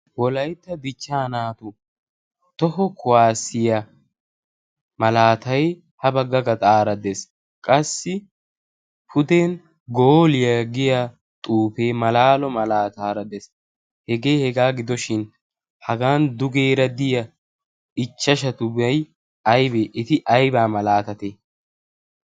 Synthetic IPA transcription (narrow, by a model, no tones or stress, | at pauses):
wɔlɐjt̪ːɐd̪ɪt͡ʃːaːnaːt̪ʊ | t̪ɔhɔkʰʊwaːsɪjɐ | mɐlaːt̪ɐj | hɐbɐɡːɐɡɐt̪ʼaːɾɐd̪es | kʼɐsːɪ | fʊd̪eːn | ɡoːlɪjɐɡɪja | t̪ʼuːfe̞ːmɐlaːlɔmɐlaːt̪aːɾɐd̪es | hɛɡe̞ːhɛɡaːɡɪd̪ɔʃɪn | hɐɡaːnd̪ʊɡeːɾɐd̪ɪjɐ | ɪt͡ʃːɐʃ̬ɐt̪ʊbɐj | ɐjbeʔɪt̪ɪʔɐjbaːmɐlaːt̪ɐt̪e